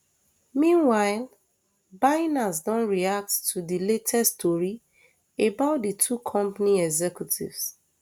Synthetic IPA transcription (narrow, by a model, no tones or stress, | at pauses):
mĩnwaɪl | baɪnas̬dɔ̃nɹiak̚ttʰudiletʰɛstʰɔɹi | ebaʊt̚ditʰukʰɔ̃mpaniɛɡzɛkjutʰḭvs